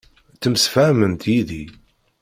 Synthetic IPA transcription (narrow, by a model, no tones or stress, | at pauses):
t͡sːəmsfæmənt̪ʰjiði